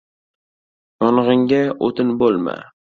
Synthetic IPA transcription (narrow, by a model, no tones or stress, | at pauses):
jɒnʁɪŋɡʲaot̪ʰɪnbolˠma̰